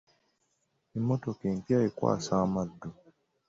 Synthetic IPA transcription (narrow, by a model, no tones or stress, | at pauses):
emːotokeːmpjaekwa̰ːsaːmadːo